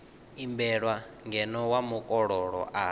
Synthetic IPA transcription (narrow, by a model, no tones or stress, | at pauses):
imbɛɺwaŋɡɛnɔwamukʼɔɺɔɺɔ̰ʔa